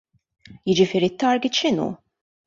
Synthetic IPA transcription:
jɪd͡ʒɪfɪːɾit̪ːɐɾɡiʃɪnṵ

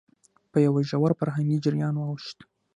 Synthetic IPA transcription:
pəjawaʒawaɾfaɾɦaŋɡid͡ʒɪɾjɑnwɑwʃt̪

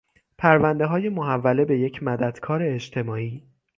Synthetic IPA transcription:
pʰæɾvænd̪e̞ɦɒːje̞moɦævːæle̞be̞je̞cʰmæd̪æd̪̥kʰɒːɾe̞ːt͡ʃt̪ʰe̞mɒːiː

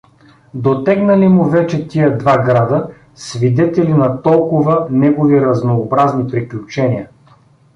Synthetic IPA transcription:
d̪ot̪ɛɡnɐlimʊvɛt͡ʃɛt̪iəd̪vaɡɾad̪ə | svid̪ɛt̪ɛlinɐt̪ɔlˠkʊvənɛɡoviɾɐznoːbɾaznipɾiklʲut͡ʃɛniə

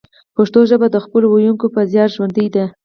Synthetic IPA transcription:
paʂt̪oʒəbad̪əxpəlowojuŋkopazjɑɾʒwand̪əjd̪a

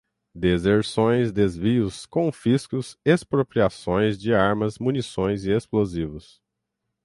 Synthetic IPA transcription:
d̪ezeɾsõj̃zd̪ezviʊskõfiskʊsespɾopɾiasõj̃zd͡ʒɪaɾmɐzmunisõj̃zɪesplozivʊs

